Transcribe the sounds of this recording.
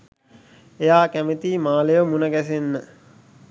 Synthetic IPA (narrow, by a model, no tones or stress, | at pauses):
ejaːkæmet̪iːmaːlejəmunəɡæsenːə